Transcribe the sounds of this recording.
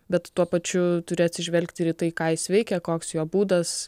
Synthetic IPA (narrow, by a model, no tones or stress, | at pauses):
bʲɛt̪tuɔpɐt͡ʃʲʊt̪ʊɾʲɪɐt̪ʲsʲɪʒʲʋʲɛlʲkt̪ʲɪɾit̪ɐɪkɑːjɪsʋʲɛɪkʲɛkoːksjoːbuːd̪ɐs